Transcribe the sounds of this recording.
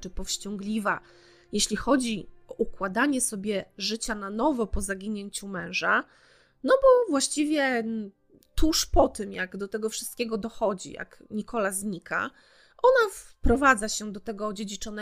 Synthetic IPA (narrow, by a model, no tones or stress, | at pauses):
t͡ʂɘpɔfɕt͡ɕɔŋɡlʲiva | jeɕlʲixɔd͡ʑiɔʔukwad̪aɲɛsɔbʲjɛʐɘt͡ɕananɔvɔpɔzaɡʲiɲeɲt͡ɕumɛ̃w̃ʐa | nɔbɔvwaɕt͡ɕivʲjɛ | t̪uʂpɔt̪ɘmjaɡd̪ɔt̪ɛɡɔfʂɨ̥st̪kʲeɛɡɔd̪ɔxɔd͡ʑḭja̰k | ɲikɔlazɲikʰa̰ | ʔɔnafpɾɔvad̪zaɕɛd̪ɔt̪ɛɡɔd͡ʑed͡ʑit͡ʂɔnɛ